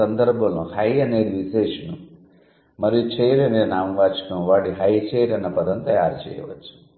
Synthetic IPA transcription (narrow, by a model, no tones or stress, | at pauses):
ɐnd̪ɐɾbʱɐmnuhɐjɐne̞ːd̪iʋiʃeːʂɐnu | mɐɾijut͡ʃeːjɾɐneːnaːmʋaːt͡ʃɐ̥kɐmʋaːʈiɦɐjt͡ʃejɾɐnɐpɐd̪ʱɐnt̪ɐjaːɾt͡ʃɛ̰ːjɐ̰ʋɐ̰t͡ʃːu̥